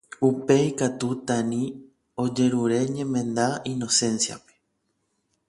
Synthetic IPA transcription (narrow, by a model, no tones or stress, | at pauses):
upe̞ikat̪ut̪anĩ | o̞d͡ʒe̞ɾuɾe̞ɲẽ̞mẽ̞nd̪aino̞sẽ̞nsja̰pe̥